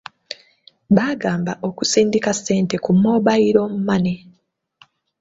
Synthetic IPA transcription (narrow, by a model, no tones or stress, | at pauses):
βaːɡaːmbaʔo̞kusiːndikasːe̞ːnte̞kumːo̞ːβajiɾo̞ːmumane